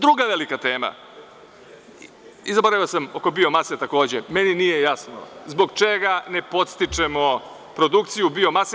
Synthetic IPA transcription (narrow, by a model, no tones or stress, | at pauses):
d̪ɾuɡaʋelikat̪e̞ːma̰ | izabo̞ɾaʋiosamo̞ko̞bio̞maset̪ako̞ːd͡ʑemeninijejasno̰zbo̞ɡt͡ʃeɡane̞po̞t̪st̪it͡ʃe̞mo̞ | pɾo̞d̪ukt̪sijubio̞mase